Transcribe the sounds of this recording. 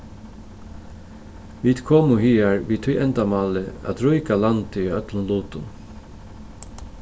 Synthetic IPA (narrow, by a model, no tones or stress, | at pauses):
ʋiːd̪̥kʰoːmʊɦiːaɹʋiːt̪ʰujʔɛnt̪amɑːlɪæ̰t̪ɾʊjkalant̪ɪiœt̪lənluːt̪ʊn